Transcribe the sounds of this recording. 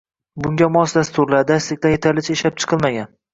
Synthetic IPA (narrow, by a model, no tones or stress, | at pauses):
bʊŋɡʲamɒsd̪ast̪ʊɾlaɾd̪aslɪk̚ʲt̪anjet̪ʰaɾlɪt͡ʃʰeʃlap̚t͡ʃʰɨ̥qʰɨlˠmaɡʲan